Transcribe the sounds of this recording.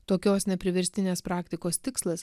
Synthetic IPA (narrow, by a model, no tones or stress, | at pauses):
t̪oːkʲoːsnʲɛpʲɾʲɪʋʲɛɾʲsʲt̪ʲɪnʲeːspɾɑːkt̪ʲɪkoːst̪ʲɪkslˠɐs